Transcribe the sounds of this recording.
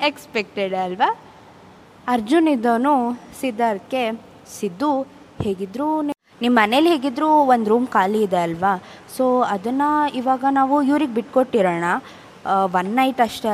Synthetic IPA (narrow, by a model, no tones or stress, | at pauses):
ekspek̚ʈeɖɐlʋa | ɐɾd͡ʒunid̪ːɐʋnusid̪ːaːɾkːe̞ | sid̪ːu | heːɡid̪ɾuni | nimːɐnelːɦeːɡid̪ɾuʋond̪ɾuːmkaːliːd̪eɐlʋa | soːɐd̪ɐnːɐiʋaːɡɐnaːʋuiʋɾiɡbiʈko̞ʈːiɾɐːɳɐ | ʋɐnːɐjʈɐʂʈe